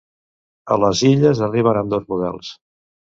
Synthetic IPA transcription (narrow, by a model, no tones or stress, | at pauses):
ə̰ləziʎəzəriβ̞ənəmd̪ozmuðɛ̰lˠs